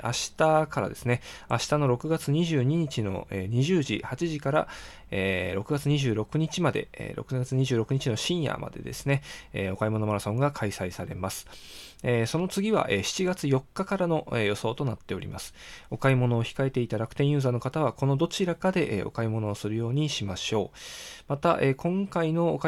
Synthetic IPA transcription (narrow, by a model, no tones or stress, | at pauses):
ʔa̰ɕi̥t̪akaɾa̰d̪e̞̰sɨne̞aɕi̥t̪ano̞ɾo̞kɯ̟ɡat͡sɨɲ̟iʑɨːɲ̟iɲ̟it͡ɕino̞̰eːɲ̟iʑɨːʑḭhat͡ɕiʑikaɾa̰ | eːɾo̞kɯ̟ɡat͡sɨɲ̟iʑɨːɾo̞kɯ̟ɲ̟it͡ɕimad̪e̞̰ɾo̞̰kɯat͡sɨɲ̟iʑɨːɾo̞kɯ̟ɲ̟it͡ɕino̞ɕĩɰ̃ja̰mʔa̰d̪e̞̰d̪e̞̰sɨne̞eːo̞kaimo̞no̞maɾasõ̞ŋɡakʰaisaisaɾe̞masɨ̥ | eso̞no̞t͡sɨɡʲiβa̰ʔeɕi̥t͡ɕiɡat͡sɨjo̞kːakaɾano̞ʔejo̞so̞ːt̪onat̪ːe̞o̞ɾʲḭmasɨ̥o̞kaimo̞no̞ːçi̥kae̞t̪e̞it̪aɾakɯ̟̥t̪ẽjɯ̟ːzaːno̞kat̪aβ̞ako̞no̞d̪o̞t͡ɕiɾakad̪e̞ʔeo̞̰kaimo̞no̞ːsɨɾɯ̟jo̞ːɲ̟iɕimaɕo̞ːmat̪aʔe̞ːkõ̞ŋkaino̞ːk